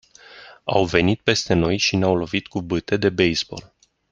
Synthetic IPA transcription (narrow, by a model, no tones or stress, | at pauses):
a̰wve̞nit̪̚pe̞st̪e̞no̞jʃineawlo̞vit̪kubɨt̪e̞d̪e̞be̞jzbo̞̰l